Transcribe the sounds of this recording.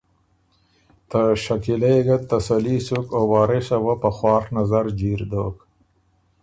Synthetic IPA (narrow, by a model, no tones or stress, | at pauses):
t̪əʃakilejɡat̪ːasalisukowɑːɾesawapəxwɑːxnazaɾd͡ʒiɾd̪oːk